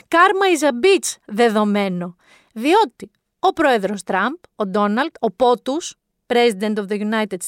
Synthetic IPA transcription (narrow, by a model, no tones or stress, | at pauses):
kɐɾmɐizɐbit͡sðe̞ðo̞me̞no̞ | ðio̞t̪i | o̞pɾo̞e̞ðɾo̞st̪ɾɐmpo̞d̪o̞nɐld̪̥o̞po̞t̪us | pɾe̞zid̪e̞nt̪ofðeʝunɐjt̪ed̪s